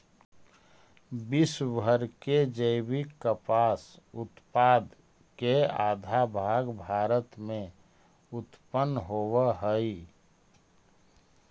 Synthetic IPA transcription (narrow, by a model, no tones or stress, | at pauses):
bisbʱəɾked͡ʒəbikːəpaːs | ʊt̪paːd̪ | keaːd̪ʱabʱaːɡbʱaːɾət̪mẽ | ʊt̪pənːɦoːwəɦəi